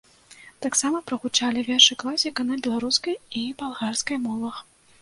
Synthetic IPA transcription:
t̪aksamɐpɾɐɣut͡ʂalʲivʲɛʂɨklˠasʲikɐnɐbʲɛlˠaɾuskɐjibalˠɣarskɐjmɔvˠɐx

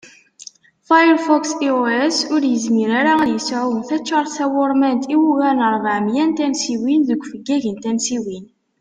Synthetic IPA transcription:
fajəɾfɔksioesʊɾjəzmiɾaɾaðjəsʕumθæt͡ʃːəɾˤsæwoɾˤmænt̪iwuɣænəɾˤvəʕmjænt̪ænsiwinðəɡʷːfəɡːæʝənt̪ænsiwin

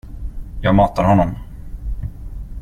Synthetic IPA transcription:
jɑːɡmɑːt̪aɾhɔnːɔm

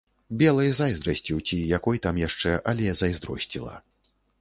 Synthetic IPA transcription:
bʲɛlˠɐjzajzd̪ɾɐsʲt͡sʲiwt͡sʲijakɔjt̪amjaʂt͡ʂɛʔɐlʲɛzɐjzd̪ɾɔ̰sʲt͡sʲilˠɐ̰

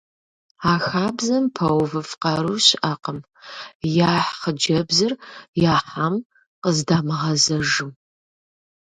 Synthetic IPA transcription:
aːxaːbzɐmpʰɐwvɨfqɐɾuɕɪʔɐqəm | jaːħχəd͡ʒɐbzɨrjaːħam | qəzdaːmɨʁɐzɐʒɨm

